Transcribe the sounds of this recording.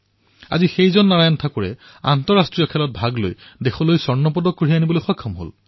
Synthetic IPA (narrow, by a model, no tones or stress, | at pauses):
a̰zixejzɔnːaɹajɔntʰakʊɹɛ̰ | a̰ntɔɹastɹijɔkʰɛlɔt̚bʱaɡlo̰jdexɔlojsɔɹnɔp̬ɔdɔkːuɹianibɔlojxɔjkʰːɔmɦo̰l